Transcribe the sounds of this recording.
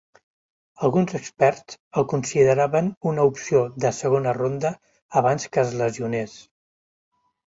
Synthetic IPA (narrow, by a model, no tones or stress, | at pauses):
əlˠɣunzəkspɛɾt͡səlˠkunsiðəɾaβənunəupsioðəsəɣ̞onərond̪əː | β̞anskəːzləziunes